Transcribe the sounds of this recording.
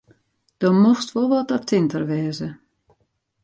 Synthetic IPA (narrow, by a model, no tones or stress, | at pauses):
d̥ɔmoxstʋolˠʋɔtɔtʰɪntərʋɛːzə